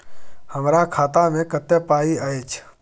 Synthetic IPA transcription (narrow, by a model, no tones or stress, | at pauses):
həmɾakʰaːt̪amẽkət̪ːepaːiəeːt͡ʃʰ